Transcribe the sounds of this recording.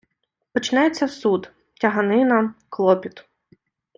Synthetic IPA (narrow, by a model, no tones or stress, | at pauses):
pɔt͡ʃɪnɛt͡sʲːɐsud̪ | tʲɐɦɐnɪnɐklˠɔpʲit̪